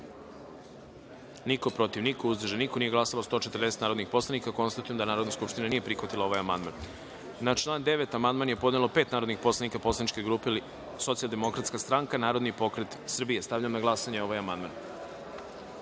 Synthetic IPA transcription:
niko̞pɾo̞t̪iʋniko̞uzd̪ɾ̩rʒenikoniːje̞ɡlˠasalost̪ot͡ʃet̪ərd̪eset̪naɾod̪nixpo̞slˠanikako̞nst̪at̪ujemd̪anaːɾo̞d̪naskupʂt̪inanije̞pɾixʋat̪ilao̞ʋajamand̪ma̰n | nat͡ʃlˠaːnd̪eʋet̪amand̪manje̞po̞d̪nelopeːt̪naːɾod̪nixpo̞slˠanikapo̞slanit͡ʃke̞ɡɾupeili | so̞t̪sijalˠd̪e̞mokɾat̪skast̪ɾaŋkanaːɾod̪nipo̞kɾet̪sr̩bije̞st̪avʎamnaɡlˠasaɲeo̞ʋajamand̪man

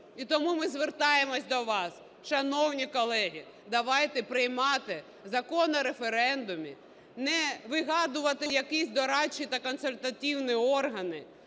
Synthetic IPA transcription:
it̪ɔmumɪzʋert̪ɑjemɔsʲd̪ɔʋɑs | ʃɐnɔwnʲikɔlˠɛɦʲi | d̪ɐʋɑjt̪ɛpɾɪjmɑt̪ɪ | zɐkɔnɐɾefeɾɛnd̪ʊmʲḭ | nɛʋɪɦɑd̪ʊʋɐt̪ɪjɐkisʲd̪ɔɾɑt͡ʃːit̪ɐkɔnselʲt̪ɐtʲiwniɔrɦɐnɪ

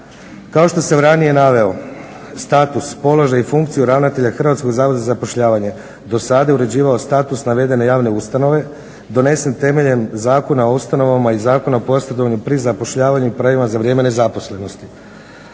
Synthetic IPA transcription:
kao̞ʃt̪o̞se̞ɾanije̞naʋe̞o̞ | st̪aːt̪uspo̞loʒajifuŋkt̪sijuɾaʋnat̪e̞ʎaxr̩ʋat̪sko̞ɡzaːʋod̪azapo̞ʃʎaːʋaɲe̞ | d̪o̞sad̪ajeuɾe̞d͡ʑiːʋao̞st̪aːt̪usnaʋe̞d̪e̞ne̞jaːʋne̞ust̪ano̞ʋe̞ | d̪o̞ne̞se̞nt̪e̞me̞ʎemzaːko̞naoust̪ano̞ʋamaizaːko̞naopo̞sjed̪o̞ʋaɲupɾizapo̞ʃʎaːʋaɲuipɾaʋimazaʋɾjeːme̞ne̞zapo̞sle̞no̞st̪i

